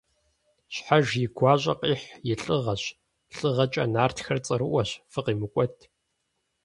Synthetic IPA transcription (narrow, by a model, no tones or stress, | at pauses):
ɕħaʒjɪɡʷaːɕʼɐ̰qʼiːħjɪɬʼɨʁɐɕ | ɬʼɨʁɐt͡ʃʼɐ̰naːrtxɐrt͡sʼɐɾɨʔʷɐɕfɨqiːmɨkʷʼɔtʰ